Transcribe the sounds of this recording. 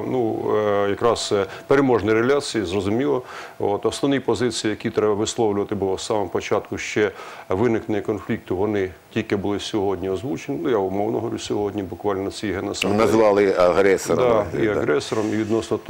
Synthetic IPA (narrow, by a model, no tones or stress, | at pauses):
nujɐkɾɑsɛpeɾemɔʒnɐjɾelʲat͡sʲijizrɔzʊmʲilˠɔo̰t̪ɔsnɔʋnijpɔzɪt͡sʲijijɐkʲit̪ɾɛbɐʋɪslˠɔwlʲʊʋɐt̪ɪbʊlˠɔsːɑmɐmɔpɔt͡ʃɑt̪kʊʃt͡ʃɛʋɪnɪknenʲikɔnflʲik̚t̪ʊʋɔnɪtʲilʲkɪbʊlˠɪsʲɔɦɔdʲnʲiɔzʋut͡ʃenʲɪnujaʊmɔwnɔɦɔɾʲusʲɔɦɔdʲnʲibʊkʋɑlʲnɔt͡sʲijɦenɔsɪnɐzzʋɑlˠɪɐɦɾɛsɔd̪ɑiɐɦɾɛsɔɾɔmiʋʲid̪nɔsnɔt̪